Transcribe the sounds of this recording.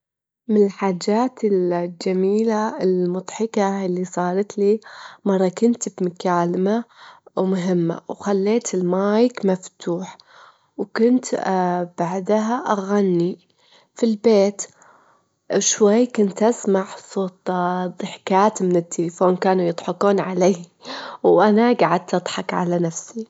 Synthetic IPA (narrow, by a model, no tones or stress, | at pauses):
mɪnɪlħaːd͡ʒaːt̪ɪld͡ʒamiːlaɪlmʊd̪ˤħɪkaɪlːisˤɑːɾɑt̪liːmɑrˤːɑkʊnt̪bmʊkaːlɪmawmʊɦɪmːa̰wxalːeːt̪ʰɪlmaːjɪkmaft̪ʰuːħ | wkʊnt̪b̥aʕd̪aɦaʔaɣanːi | filbeːt̪ | ʃwajːkʊnt̪ʔasmaʕsˤoːt̪ˤd̪ˤɨħkaːt̪mɪnɪt̪ʰːelɪfoːnkaːnujɨd̪ˤħɪkuːnʕaleːwʔanaɡaʕad̪̚t̪ɨd̪ˤħɑkʕa̰lanafsi